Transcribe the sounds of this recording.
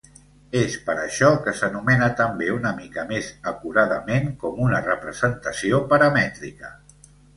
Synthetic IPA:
espəɾə̰ʃɔkəsənumɛnət̪əmbeunəmikəmezəkuɾaðəmeŋkɔmunərəpɾəzənt̪əsiopəɾəmɛt̪ɾikə

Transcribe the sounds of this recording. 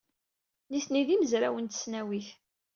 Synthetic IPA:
niθniðiməzɾæwənt̪ə̥snæwiθ

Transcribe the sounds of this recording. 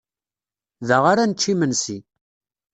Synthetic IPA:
ðəʁaɾanət͡ʃːimənsi

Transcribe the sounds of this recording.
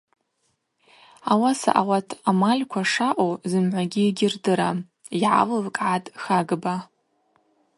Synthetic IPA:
awasa̰ʔawatʰamalʲkʷʰaʂaʔʷʼowzɨmʕʷaɡʲiːɡʲɪrdɨɾa | jiʕa̰lɨvkʼʕatʼxaɡba

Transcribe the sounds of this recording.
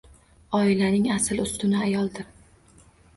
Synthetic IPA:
ɒɪlanɪŋasɪlʊst̪ɪnɪajɒlˠd̪ɪɾ

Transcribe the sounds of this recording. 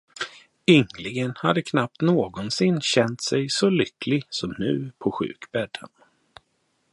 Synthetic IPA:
ʏŋlɪɡənhad̪əkʰnap̚t̪noːɡɔnsɪnːɕɛnt̪sɛjsɔlʏklɪsɔmnʉ̟ːpʰɔɧʉ̟̰ːkb̥ɛɖə̰n

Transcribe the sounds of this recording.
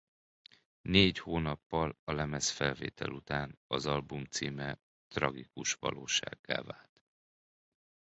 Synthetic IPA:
neːchoːnɒpːɒlɒlɛmɛsfɛlveːt̪ʰɛlut̪aːnɒzɒlbumt̪siːmɛ | t̪rɒɡikuʃʋɒ̰loːʃa̰ːɡːa̰ːvaːlt̪

